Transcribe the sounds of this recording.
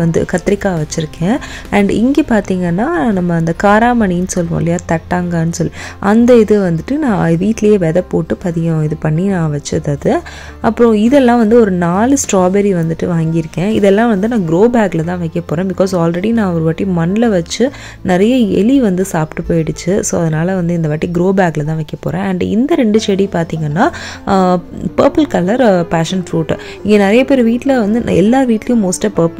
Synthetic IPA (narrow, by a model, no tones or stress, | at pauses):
ɐnd̪ɯ̰kɐt̪ːɪɾɪkːaːʋɐt͡ʃːɪɾɯkʰːẽːɳɖɪ̰ŋɡeːpaːɾt̪iːŋɡɐnːaːnɐmːɐːnd̪ɐkaːɾaːmɐɳijnsɔlːʋõ̰ːɪlɐjaːt̪ɐʈːaːŋɡɐːnːɯsɔlːiʔɐ̰nd̪ɐɪðɯʋɐnd̪ɯʈːɯnãːʋiːʈːlɐjeːʋɛðɛpːoːʈːɯpɐðɪɣɐ̃ɪðɯpɐɳːinãːʋɐt͡ʃːɯðaːðɯ | ɐpːɯɾõɪðɛlːãːʋɐnd̪ɯɔɾɯnaːlɯsʈɾaːbɛɾiʋɐnd̪ɯʈːɯʋaːŋɡɪɾɯkːẽːɪðɛlːãːʋɐnd̪ɯnãːɡɪɾoːbaːɡlɐt̪ãːʋɐɪkːɐpːoːɾẽːbɪkoːsaːlɾɛɽinãːɔɾɯʋɐʈːimɐnlɐʋɐt͡ʃːɯ | nɪɾɐjɐɛ̰liʋɐnd̪ɯsaːpʈːɯpoːjɪɽɯt͡ʃːɯsoːɐðɐnaːlɐʋɐnd̪ɯɪnd̪ɐʋɐʈːiɡɾoːbaːklɐt̪ãːʋɛɪkːɐpːo̰ːɾẽɐɳɖɪ̰nd̪ɐɾɛɳɖɯt͡ʃɛɽipaːɾt̪iːŋɡɐnːaː | pɐːɾpɐlkɐlɐɾpaːʂɐnfɾuːʈː | ɪŋɡeːnɪɾɐjɐpeːɾʋiːʈːɪlɐʋɐnd̪ɯɛ̰lːaːʋiːʈːlɐjʊ̃moːsʈɐpɐːɾp